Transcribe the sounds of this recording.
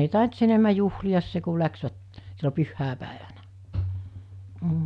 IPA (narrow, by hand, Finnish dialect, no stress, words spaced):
ei tɑˑint s enemæ juhliɑs se ku læksʋæt silːo pyhːæˑepæˑeʋænæ m̩